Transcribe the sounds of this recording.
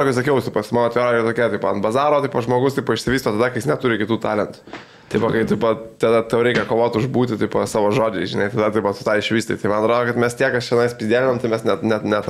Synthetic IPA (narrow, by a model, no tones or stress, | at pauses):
ɐkʊɪsɐkʲɛʊsɐɪpɐsmɑnoɔɐt̪ʋʲɛːɾoːjt̪oːkʲɛːt̪ɐɪpɐɐnbɐzɑːɾoːt̪ɐɪpɐʒmoːɡʊst̪ɐɪpɐɪʃʲsʲɪʋʲiːst̪oːt̪ɐd̪ɐkɐɪjɪsnʲɛt̪ʊɾʲɪkʲɪt̪uːt̪ɑːlʲɛnt̪ʊ̥ | t̪ʲɐɪpʋɐkɐɪt̪ɐɪpɐt̪ɐd̪ɐt̪ɐʊɾʲɛɪkʲɛkoːʋoːt̪ʊʒbuːt̪ʲɪt̪ɐɪpɐsɑːʋoːʒoːd͡ʒʲɛɪʒʲɪnɐɪt̪ɐd̪ɐt̪ɐɪpʋɐsʊt̪ɑɪɪʃʲʋʲiːst̪ɐɪt̪ɐɪmɐ̃nɐt̪ɾoːd̪oːkɐt̪mʲɛst̪ʲiɛkɐsʃʲɛnɐɪspʲɪzd̪ʲæːlʲɪnʲoːmt̪ɐɪmʲɛsnʲɛt̪nʲɛt̪nʲɛt̪